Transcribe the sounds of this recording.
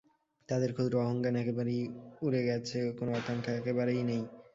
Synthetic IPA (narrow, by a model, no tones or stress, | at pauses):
t̪ad̪eɾkʰod̪ɾoɔɦoŋkanɛkebaɾejuɾeɡɛt͡ɕʰekonoat̪aŋkʰaɛkebaɾejnej